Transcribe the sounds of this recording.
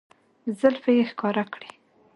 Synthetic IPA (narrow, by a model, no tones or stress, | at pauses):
zəlfajexkɑɾakɽi